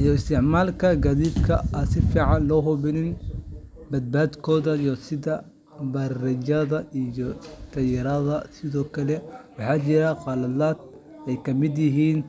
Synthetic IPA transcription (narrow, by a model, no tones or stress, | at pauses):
ɐjɔːɪst̪ʰɪʕmaːlkʰɐɡɐðiːb̪kʰɐasɪfiːʕɑnlɔːɦʊbɪnɪn | bɐd̪̚baːd̪kʰɔːðɐijɔsɪðɐ | bɐrrɛt͡ʃɐðɐijɔt̪ʰɐjɪɾɐðɐsɪðɔːkʰɐlɛwɑħɑːt͡ʃɪɾɐqɑlɐðaːd̪̚ | ɛjkʰɐmɪd̪jɪɦiːn